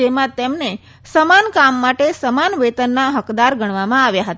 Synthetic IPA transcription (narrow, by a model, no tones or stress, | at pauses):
emãt̪emne | səmankamːaʈesəmanʋet̪ənːaɦəkd̪aɾɡʱəɳ̃ʋamãaʋjaɦət̪